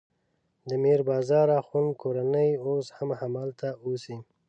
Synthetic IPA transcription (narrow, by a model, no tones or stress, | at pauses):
d̪əmeɾbɑzɑɾaxunkoɾanəjoshamhamɑlt̪ʰaosi